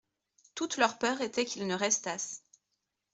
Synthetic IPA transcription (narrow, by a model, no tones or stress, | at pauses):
t̪ut̪lœʁpœʁet̪ɛkʲilnəʁɛst̪as